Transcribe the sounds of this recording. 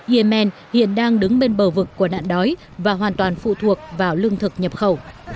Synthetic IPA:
ʔi˧ə˧mɛ˧nhḭ˧˨ənɗaː˧ŋɗɨ˨˦ŋɓe˧nɓəː˧˩vɨ˨˩kːu˧˩əna̰ː˧˨nɗɔ˨˦j | vaː˨˩ɦwaː˨˩nt̪waː˨˩nfṵ˧˨t̪ʰu˨˩ək̚vaː˨˩wlɨ˧əŋt̪ʰɨ˨˩k̚ɲə˨˩p̚xə˧˩w

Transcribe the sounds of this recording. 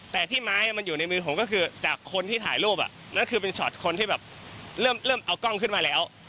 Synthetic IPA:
t̪ɛː˨˩t̪ʰiː˥˩maː˦˥jʔa˨˩ma˧njuː˨˩na˧jmɯː˧pʰo˨˧˦mkɔː˥˩kʰɯː˧t͡ɕaː˨˩kʰːo˧nt̪ʰiː˥˩t̪ʰa̰ː˩˦jluː˥˩p̚ʔa̰˨˩ʔ | na˥˩nkʰɯː˧p̬e˧nt͡ɕʰɔ̰ː˨˩t̪̚kʰo˧nt̪ʰiː˥˩bɛː˨˩p̚ɾɤː˥˩mlɤː˥˩mʔa˧wkɔ˥˩ŋkʰɯ˥˩nmaː˧lɛː˦˥w

